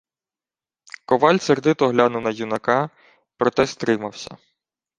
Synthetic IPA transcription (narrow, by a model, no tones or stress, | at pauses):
kɔʋɑlʲserd̪ɪt̪ɔɦlʲanʊwnɐjunɐkɑ | pɾɔt̪ɛst̪ɾɪmɐwsʲɐ̰